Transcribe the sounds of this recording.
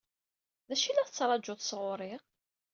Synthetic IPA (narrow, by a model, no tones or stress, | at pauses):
ðæʃilæθət͡sːɾˤɑd͡ʒːʊθsʁʊɾˤɪʁ